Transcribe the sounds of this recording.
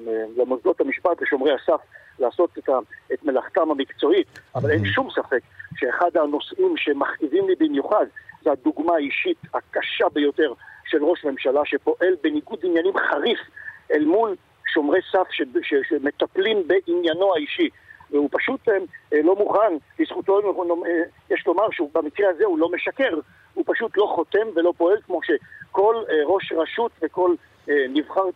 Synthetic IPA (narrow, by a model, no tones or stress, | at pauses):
elemozlo̞thamiʃpatleʃo̞mʁejhasaf | laːso̞t̪etaet̪melaχt̪amhamikt͡so̞it̪avalenʃumsafe̞kʃeːχad̪ano̞sʔimʃemaχkivimlibimjuχad̪zehad̪uɡmaːiʃit̪hakaʃabe̞jo̞t̪e̞ʁʃelʁo̞ʃme̞mʃalaʃe̞po̞ʔe̞lbe̞niɡud̪injanimχaʁifʔelmul | ʃo̞mʁesafʃeʃeʃeme̞t̪aplimbeʔinjano̞haiʃi | veupaʃut̪lo̞muχanlisχut̪o̞nojeʃlo̞maʁʃeubamikʁehazehulo̞meʃake̞ʁ | hupaʃut̪lo̞χo̞t̪e̞mve̞lo̞po̞e̞lkmo̞ʃe̞ko̞lʁo̞ʃʁaʃut̪veko̞l | nivχaʁ